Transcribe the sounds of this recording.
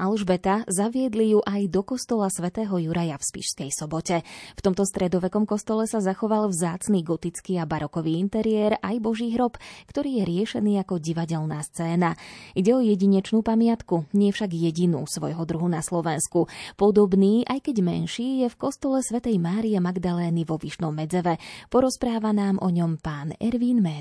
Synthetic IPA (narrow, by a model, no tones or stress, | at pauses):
alʒbɛt̪azaʋɪɛd̪lijuʔajd̪ɔkɔst̪ɔlasʋɛt̪ɛːɦɔjuɾajafspḭʃskɛjsɔbɔcɛft̪ɔmt̪ɔst̪ɾɛd̪ɔʋɛkɔmkɔst̪ɔlɛsazaxɔʋalvzaːt͡sniːɡɔt̪it͡skiːabaɾɔkɔʋiːint̪ɛɾiɛːɾajbɔʒiːɦɾɔpkt̪ɔɾiːjɛɾɪɛʃɛniːakɔɟiʋaɟɛlnaːst͡sɛːnaiɟɛɔjɛɟiɲɛt͡ʃnuːpamɪat̪kuɲɪɛfʃaɡjɛɟinṵːsʋɔ̰jɦɔd̪ɾuɦunaslɔʋɛnskupɔd̪ɔbniːʔajkɛɟmɛ̰nʃiːjɛfkɔst̪ɔlɛsʋɛt̪ɛjmaːɾijɛmaɡd̪alɛːniʋɔʋiʃnɔmːɛd͡zɛʋɛpɔɾɔspɾaːʋanaːmʔɔ̰ɲɔmpaːnɛ̰ɾʋiːnmɛɾ